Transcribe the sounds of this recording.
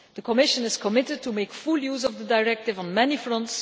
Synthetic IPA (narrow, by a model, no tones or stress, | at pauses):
d̪əkʰɔmɪʃə̃nɪskʰɔmɪtəd̚tʰumeɪkfuljuːzɔvdədaɪɹɛk̚tɪvə̃nmɛnifɹɔ̃nts